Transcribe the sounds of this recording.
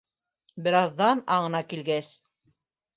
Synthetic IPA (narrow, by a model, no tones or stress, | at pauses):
bɘ̆ɾɑðːɑnɑɴɤ̆nɑkilɡæs